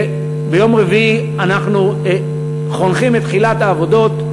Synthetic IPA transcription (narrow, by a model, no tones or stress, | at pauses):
bejo̞mʁevi | anaχnu | χo̞nχimet̪χilat̪haːvo̞do̞t